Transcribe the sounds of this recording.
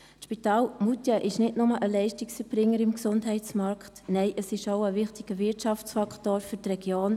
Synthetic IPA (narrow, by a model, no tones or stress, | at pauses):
ʃpitaːlmutjəʔɪʃnɪtnʊməʔəlɛɪʃtɪksəb̥ɾɪŋːəɾɪmksʊndtɦɛɪtt͡smɑɾkχtnɛɪʔəsɪʃoʊəvɪχtɪɡ̥əʋɪɾtʃɑft͡sfɑkχtoːɾfyɾtrɛɡ̥joːn